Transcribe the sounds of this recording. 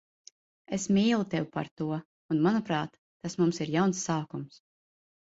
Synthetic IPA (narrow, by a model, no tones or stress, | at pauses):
esmiːlˠut̪ewpa̰ɾt̪uɔ | unmanupɾɑːt̪ːasmumsiɾjawnsːaːkums